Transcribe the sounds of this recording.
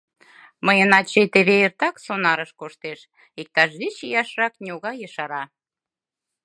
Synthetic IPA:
məjənɑt͡ɕet̪eβeert̪ɑksonɑɾəʃkoʃt̪eʃ | ik̚t̪ɑʃit͡ɕijɑʃrɑknʲioɣɑjəʃɑɾɑ

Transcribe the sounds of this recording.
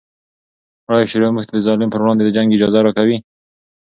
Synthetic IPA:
aɽajʃɪɾomuxt̪ʰad̪əzɑlɪmpəɾwɽɑnd̪ed̪əd͡ʒaŋɡɪd͡ʒɑzaɾɑkawi

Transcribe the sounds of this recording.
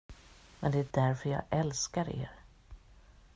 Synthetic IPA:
mɛ̰nd̪ɛæɖæɾfœɾjɑ̰ːʔɛlskaɾḛːɾ

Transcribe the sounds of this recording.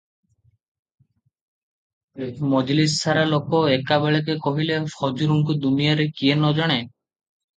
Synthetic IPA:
mɔd͡ʒlissʰaɾalokɔekabeɭekekɔɦilefʰɔd͡ʒuɾuŋkud̪unijaɾekienɔd͡ʒɔɽ̃e

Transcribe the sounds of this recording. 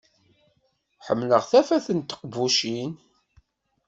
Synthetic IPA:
ħəmːləʁθæfæθənt̪ːə̥qvuʃin

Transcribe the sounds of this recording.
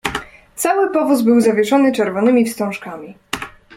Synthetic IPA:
t̪sawɘpɔvuzbɘwzavʲjɛʂɔnɘt͡ʂɛɾvɔnɘmʲifst̪ɔ̃ʂkamʲi

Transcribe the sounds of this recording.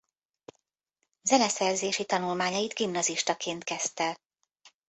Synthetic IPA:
zɛnɛsɛrzeːʃit̪ɒnulmaːɲɒjid̪ɡimnɒziʃt̪ɒkʰeːnt̪kɛst̪ɛ

